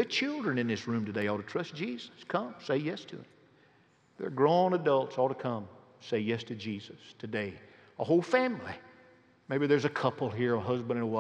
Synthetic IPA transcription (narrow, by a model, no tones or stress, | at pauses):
ɨt͡ʃʰɪlˠdɹɨ̃nɨ̃nðɪsɹʉ̃mtɨdeɪɔlˠtɨtʰɹ̥ʌsd̥ʒ̥izəskʰʌ̃mseɪjɛstʰɨ̰ɨ̰̃m | ðə̰˞ɡɹõʊ̃nədʌlˠtsɔlˠtəkʰʌ̃m | seɪjɛstʰɨd͡ʒizɨstʰɨdeɪ | əhoʊlˠfæ̃mli | meɪbiðə˞zɨkʰʌpl̩ˠɦiɹəɦʌzbɨ̃nɨ̃nəwa